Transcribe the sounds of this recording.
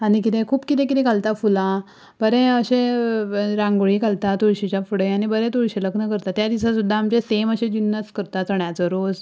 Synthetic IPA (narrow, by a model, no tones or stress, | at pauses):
anikit̪ẽkʰuːpkit̪ẽk̬it̪ɛ̃ɡalt̪afula | bəɾɛ̃əɕẽ | ɾãŋɡoɭiɡalt̪at̪uɾɕit͡ɕafuɽeanibəɾɛ̃t̪uɭɕeləɡnəkəɾt̪at̪jad̪isasud̪ʱːaːmt͡ɕeseməɕẽd͡ʑunːəskəɾt̪at͡səɳjat͡səɾod͡z